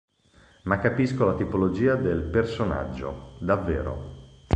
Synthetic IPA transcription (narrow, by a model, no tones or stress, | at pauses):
makːapiskolat̪ipolod͡ʒiːad̪elpersona̰d͡ʒːo̰d̪avːḛːɾo̰